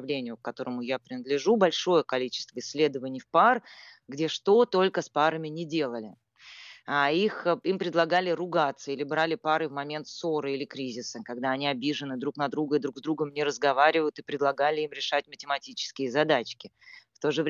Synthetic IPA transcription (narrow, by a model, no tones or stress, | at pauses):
vlʲenʲɪjʊk̚kɐt̪o̞ɾəmʊjapɾʲɪnəd̪lʲɪʐubɐlʲʂo̞jəkɐlʲit͡ɕɪ̥st̪vəɪsʲlʲe̞d̪əvənʲɪjfpar | ɡdʲe̞ʂt̪o̞t̪o̞lʲkəspaɾəmʲɪnʲɪdʲe̞lˠəlʲɪ̰ | aiximpɾʲɪd̪lˠɐɡalʲɪɾʊɡat̪səilʲɪbɾalʲɪpaɾɨvmɐmʲe̞nt̪soɾɨilʲɪkɾʲizʲɪsəkɐɡd̪aɐnʲiɐbʲiʐɨnɨd̪ɾuknɐd̪ɾuɡəɪd̪ɾuɡzd̪ɾuɡəmnʲɪɾəzɡɐvaɾʲɪvəjʊt̪ɨpɾʲɪd̪lˠɐɡalʲɪimɾʲɪʂatʲmətʲɪmɐtʲit͡ɕɪ̥skʲɪjəzɐd̪at͡ɕkʲɪ | ft̪o̞ʐɨvʲ